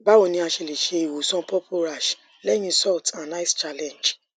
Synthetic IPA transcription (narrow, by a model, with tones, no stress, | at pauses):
ba˨˦wo˨˧˨nĩ˧a˧ʃe˧le˨ʃe˧i˨wo˨sɔ̃˧˦pɔ˦pʰo˧ɾa˨ʃ | lɛ˦j̃ĩ˧sɔ˦˨ltã˨na˦ɪ˦st͡ʃa˦lɛ̃˨nd͡ʒ